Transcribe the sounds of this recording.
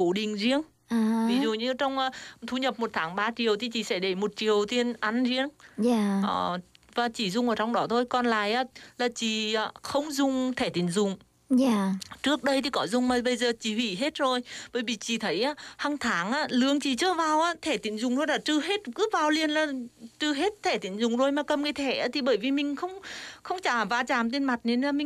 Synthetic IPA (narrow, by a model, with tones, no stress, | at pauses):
ko˨˦ɗï˨˩ŋ̟zi˧əŋ | ʔaː˨˩vi˨˦zṵ˨ɲɨ˧t͡ɕɔ˧wŋ͡mʔaː˧t̪ʰu˨˦ɲə˨˩p̚mo˨˩t̚t̪ʰaː˨˦ŋɓaː˧t͡ɕi˨˩əwt̪ʰi˨˩t͡ɕḭ˧˩sɛ̰˧˥ɗe˧˩mo˨˩t̚t͡ɕi˨˩əwt̪i˧ənʔa˧nzi˧əŋaː˨˩ʔɔː˨˩vaː˨˩t͡ɕi˧˩zʊ˨˧ŋ͡mʔəː˨˩t͡ɕɔ˧wŋ͡mɗɔ˨˦t̪ʰo˧jkɔ˧nla̰ː˧˨jʔaː˨˦˥laː˨˩t͡ɕi˧˩˨aː˨˧˩xə˧wŋ͡mzʊ˨˧ŋ͡mt̪ʰɛ˧˩t̪ï˨˩˦ŋ̟zʊ˨˩ŋ͡m | a˨˩t͡ɕɨ˦˥ək̚ɗə˧jt̪ʰi˨˩kɔ˨˦zʊ˨˩ŋ͡mmaː˨˩ɓə˧jzəː˨˩t͡ɕi˧˩hwḭ˧˩ɦe˦˥t̚zo˨˩jɓəː˧˩jvi˨˩t͡ɕi˧˩t̪ʰə˨˦jʔaː˨˧˥haː˧ŋt̪ʰaː˨˦ŋʔaː˧˥lɨ˨˧˦əŋt͡ɕi˧˨˩t͡ɕɨ˧˥əvaː˨˩wʔaː˧˥t̪ʰe˧˩t̪i˨˦ŋ̟zʊ˨˩ŋ͡mt̪ʰo˧jlaː˨˩t͡ɕɨ˧ɦe˦˥t̚kɨ˨˦vaː˨˩wli˧ənlaː˨˩t͡ɕɨ˧ɦe˦˥t̚t̪ʰe˧˩t̪i˨˦ŋ̟zʊ˨˩ŋ͡mzo˨˧˩jmaː˨˩kə˨˩mkaː˨˦jt̪ʰe˧˩ʔaː˨˦t̪ʰi˨˩ɓəː˧˩jvi˨˩mï˨˩ŋ̟xə˧wŋ͡mxə˧wŋ͡mt͡ɕaː˧˩vaː˧t͡ɕaː˨˩mt̪e˧nma˨˩t̚ne˧nlaː˨˩mi˨ŋ